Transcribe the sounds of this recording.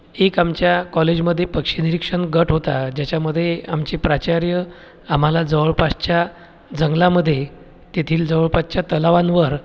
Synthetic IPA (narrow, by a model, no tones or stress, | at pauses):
ekamt͡ɕjakɔled͡ʑməd̪ʱːjepəkʂiniɾikʂəɳɡəʈʰɦot̪ad͡ʑjat͡ɕjaməd̪ʱːjeamt͡ɕepɾat͡ɕaɾjə | am̤alad͡zəʋəɭpast͡ɕja | d͡zəŋɡlaməd̪ʱːje | t̪et̪ʰiːld͡zəʋəɭpast͡ɕjat̪əlaʋanʋəɾ